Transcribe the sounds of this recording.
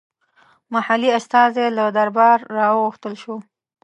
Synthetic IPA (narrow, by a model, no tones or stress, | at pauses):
mahaliast̪ɑzelad̪aɾbɑɾːɑwəɣuxt̪əlʃo